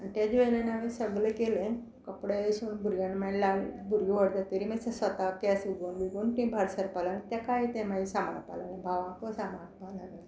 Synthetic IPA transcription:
ant̪jad͡ʑejnanaʋisəɡlekelẽ | kəpɽesunbʱuɾɡanmɛnlaɡbʱuɾjuʋəɽd̪at̪əɾiməsəsʋət̪akɛsʋiɡonʋiɡonkĩbʱaɾsəɾpalanẽt̪jakajit̪ẽmaisama̰palanẽbʱaʋãkosamãbʱalaɡle

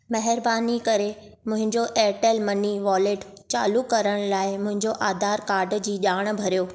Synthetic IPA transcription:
mɐɦɪɾbaːnikɐɾe | mʊ̃ɦɪ̃ɲd͡ʑoʔɛːʈelmɐniʋɔːleːʈ | t͡ɕa̰ːlukɐɾəɽ̃laːɪmʊ̃ɦɪ̃ɲd͡ʑoʔaːd̪ʱaːɾkaːɾɖd͡ʑiːʄaːɽ̃bʱɐɾijoː

